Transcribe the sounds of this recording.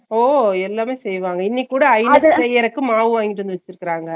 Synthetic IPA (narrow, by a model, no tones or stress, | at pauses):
oːɛlːaːmeːsɛjʋaːŋɡɐɪnːikːuːɽɐːɪnɐðɐsɛjːɐɾɐkːɯmaːʋɯʋaːŋɡɪʈ̬ːɯnd̪ɯʋɐt͡ʃːɪɾɯkːɪɾaːŋɡɐ